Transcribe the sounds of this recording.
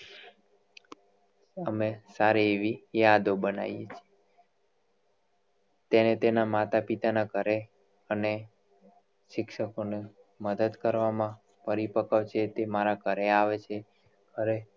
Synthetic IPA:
əmesaɾieʋijad̪obəna̰jet͡ʃʰie | t̪enet̪enamat̪apit̪anakəɾe | əne | ʃɪkʃəkone | məd̪əd̪kəɾʋamã | pəɾipəkaʋt͡ʃʰet̪emaɾakəɾeaʋet͡ʃʰe | kəɾe

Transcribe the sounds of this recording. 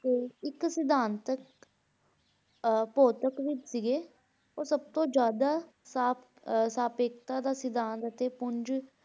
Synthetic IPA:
t̪eːɪksɪd̪aːnt̪ək | poːt̪əkʋɪt͡ʃsɪɡeː | oːsəb̚t̪õːd͡ʒjaːd̪aː | saːp | saːpeːk̚t̪aːd̪aːsɪd̪aːnt̪ət̪eːpʊɲd͡ʒ

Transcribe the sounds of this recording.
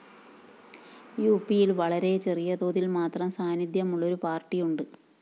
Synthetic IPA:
juːpːijilʋɐɭɐɾe̞t͡ɕe̞rijɐðo̞ːðilmaːt̪rɐmsaːnid̪jɐmuɭːo̞ɾupaːrʈːijuɳɖɨ

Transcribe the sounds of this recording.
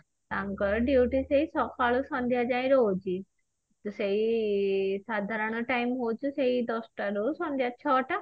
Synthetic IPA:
t̪ãŋkəɾɖuʈiseisɔkaɭusɔ̃nd̪ʱjad͡ʑãĩɾod͡ʑi | t̪usei | sad̪ʱaɾəɳ̃əʈaimɦot͡ɕuseid̪ɔsʈaɾosɔnd̪ʱjat͡ɕʰɔʈa

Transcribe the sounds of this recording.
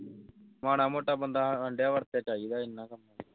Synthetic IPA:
maːɽaːmoːʈaːbənd̪aəɳɖjaːʋəɾt̪eːt͡ʃaːjiːd̪aːɪnːaːkɐmːaː

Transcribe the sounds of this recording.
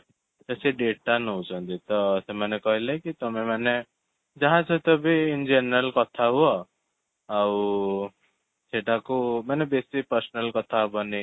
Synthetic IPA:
kesiɖeʈanɔwt͡ʃʰɔnt̪it̪ɔsemanekɔɦilekit̪ɔmemane | d͡ʒaɦãt͡ʃʰɔt̪ɔbʱiːnd͡ʒenɾəlkɔt̪ʰaɦuɔ | aw | seʈakumanebesipəɾsɔnəlkɔt̪ʰabɔni

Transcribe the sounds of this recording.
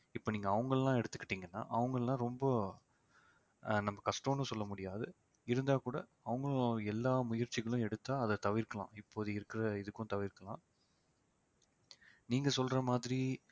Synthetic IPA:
ɪpːoːniːŋɡɐːʋɐŋɡɐɭlãːɛɽɯt̪ːɯ̥kːɪ̥ʈːiːŋɡɐnːa̰ːʔɐʋɐŋɡɐɭlãːɾɔmbɐ | nɐmːɐkɐsʈoːnːɯ̃sɔlːɐmʊɽɪjaːðɯ | ɪɾɯnd̪aːkuːɽɐ | ɐʋɐŋɡɐɭɛlːaːmʊjɐɾt͡ʃːɪɣɐɭʊ̃ɛɽɯt̪ːaːɐðɐt̪ɐʋɪɾkɐɭã̰ːɪpːoːɐðɯɪɾɯkːɪɾɐɪðɯkːʊ̃t̪ɐʋɪɾkɐɭã̰ː | niːŋɡɐsɔlɾɐmaːðɪɾi

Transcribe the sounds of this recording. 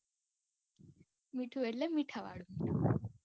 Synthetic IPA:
miʈʰuʋellemiʈʰaʋa̰ːɽumiʈʰu

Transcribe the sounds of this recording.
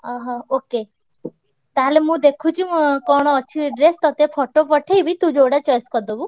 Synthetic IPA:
ɔ̃ɦɔ̃oke | t̪alemũd̪ekʰut͡ʃʰimkɔɽ̃oːt͡ʃʰiɾest̪ɔt̪epʰɔʈopɔʈʰejbʱit̪ũd͡ʒoɽat͡ʃɔjskɔd̪obu

